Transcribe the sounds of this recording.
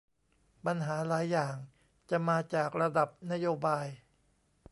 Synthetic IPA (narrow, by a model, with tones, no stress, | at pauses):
pa˧nɦaː˩˦laː˩˦jːaː˨˩ŋ | t͡ɕa˨˩maː˧t͡ɕaː˨˩k̚ɾa˧da˨˩p̚na˦˥joː˧baː˧j